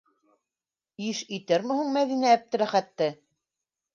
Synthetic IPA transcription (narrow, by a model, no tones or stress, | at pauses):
iʃit̪ɘɾmɘ̆huɴmæðinææp̚t̪ɘ̆ɾæχæt̪ːɘ